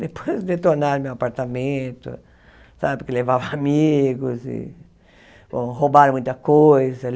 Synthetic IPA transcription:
d̪epʰojzd̪et̪oɾnaɾmewapaɾt̪amẽt̪ʊ̰ | sabɪpʊɾkelevavɐamiɡʊzɪ̰ | bõhobaɾɐ̃mũj̃t̪ɐkojzɐ

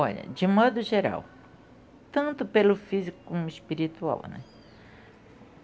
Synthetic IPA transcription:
ɔʎɐ̰d͡ʒɪmɔd̪ʊʒeɾa̰w | t̪ɐ̃nt̪ʊpelʊfizikʊ̥komʊispiɾit̪ua̰wnɛ̰

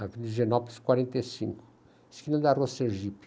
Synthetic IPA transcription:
avilɪʒenɔplskwaɾẽnt̪esḭ̃ŋkʊ̥ | skinɐd̪aroseʒip

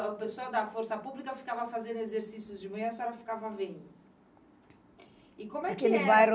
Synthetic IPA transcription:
peswɔwd̪ɐfoɾsɐpublikɐfi̥kavɐafazẽnd̪ʊezeɾsisjʊzd͡ʒɪmɐ̃jɐ̃sɛɾɐfi̥kavɐvẽj̃ | ikõmʊwɛkelɪvajɾ

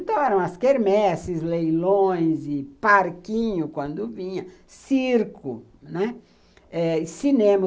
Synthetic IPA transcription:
ẽnt̪ɐ̃w̃ɛɾɐ̃w̃ɐskeɾmɛsɪzlejlõj̃zɪpaɾkĩɲʊkwɐ̃nd̪ʊvĩɲɐ̃siɾkʊ | nɛ | ɛsinẽmɐ

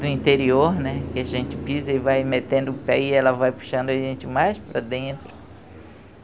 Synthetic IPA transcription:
d̪ʊĩnt̪eɾioɾnɛkɪɐʒẽnt͡ʃɪpizɐivajmet̪ẽnd̪ʊpɛ̰iɛlɐvajpu̥ʃɐ̃nd̪ʊaʒẽnt͡ʃɪmajspɾɐ̰d̪ẽnt̪ɾʊ

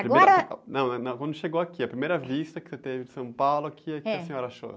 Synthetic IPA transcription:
apɾiɡeɔɾɐnɐ̃w̃nɐnɐ̃w̃kwɐ̃nd̪ʊʃeɡoakiɐpɾimejɾɐvist̪ɐkɪ̥set̪evɪd͡ʒɪsɐ̃w̃pawlʊakʰiɐkɛɐsẽɲɔɾɐaʃo̰

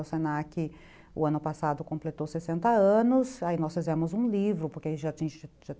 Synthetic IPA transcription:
wsenakɪ | ʊ̰ɐ̃nʊpasad̪ʊkõplet̪osesẽnt̪ɐɐ̃nʊsainɔsfizɛmʊzũlivɾʊpoɾkɪʒatĩʒa

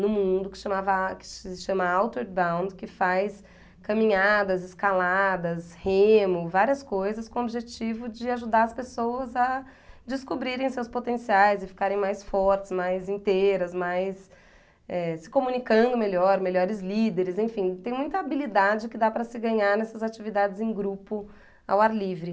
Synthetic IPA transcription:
nʊmũd̪ʊkɪ̥ʃɐ̃mavɐkɪ̥ʃɐ̃mɐawt̪eɾbãw̃nd̪kɪfajs | kɐ̃mĩɲad̪ɐzɪskalad̪ɐshẽmʊvaɾiɐskojzɐskõobiʒet͡ʃivʊd͡ʒɪaʒud̪aɾɐspesowɐzɐ | d͡ʒɪskubɾiɾẽj̃sewspot̪ẽsiajzɪfi̥kaɾẽj̃majsfɔɾt͡ʃɪ̥zmajzĩt̪ejɾɐsmajs | ɛsɪ̥komũnikɐ̃nd̪ʊmelɔɾmelɔɾɪzlid̪eɾɪzẽfĩt̪ẽj̃mũj̃t̪ɐabilid̪ad͡ʒɪkɪd̪apɾɐsɪɡɐ̃ɲaɾnɛsɐzat͡ʃivid̪ad͡ʒɪzẽɡɾupʊ | a̰waɾlivɾɪ

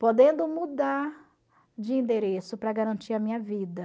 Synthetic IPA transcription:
pod̪ẽnd̪ʊmud̪aɾ | d͡ʒɪĩnd̪eɾesʊpɾɐɡaɾɐ̃nt͡ʃiɾɐmĩɲɐvid̪ɐ

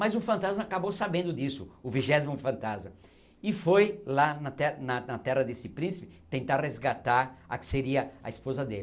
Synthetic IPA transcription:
mazʊfɐ̃nt̪azmɐakabowsabẽnd̪ʊd̪isʊʊviʒɛzimʊfɐ̃nt̪azmɐ | ɪfojlanɐt̪ɛnɐnɐt̪ɛrɐd̪esɪpɾĩsɪ̥pɪt̪ẽnt̪aɾrezɡat̪aɾakɪ̥seɾiɐɐ̰ispozɐd̪el

